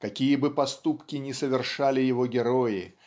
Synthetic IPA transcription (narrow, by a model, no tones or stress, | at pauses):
kɐkʲijəbɨpɐst̪upkʲɪnʲɪsəvʲɪrʂalʲɪjɪvoɡʲɪɾojɪ